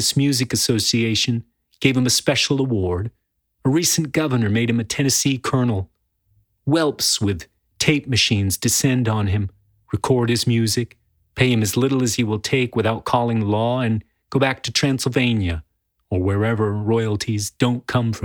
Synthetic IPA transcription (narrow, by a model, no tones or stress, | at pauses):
ɨsmjʉzɨkɨsoʊsieɪʃɨ̃n | ɡ̥eɪv̥ɨ̃mɨspɛʃl̩ˠəwɔɹɾ | əɹisn̩ɡ̥ʌvə˞nə˞meɪɾ̚ɨ̃mɨtʰɛnɨsikʰɜ˞nl̩ˠ | wɛlˠpswɪð̥ | tʰeɪp̚mɨʃĩnzdɨsɛ̃ndn̩ɨ̃m | ɹɨkʰɔɹd̚ɨzmjʉzɨk̚ | pʰeɪɨ̃mɨzlɪɾl̩ˠɨz̥iwəlˠtʰeɪkwɨθaʊt̚kʰɔlˠɪ̃ŋlɔɨ̃n | ɡ̥oʊbæk̚tʰɨtʰɹ̥æ̃nsl̩ˠvẽɪ̃njɨ | ə˞wə˞ɛvə˞ɹɔɪl̩ˠtʰizdõʊ̃nkʰʌ̃ɱfɹʌ̃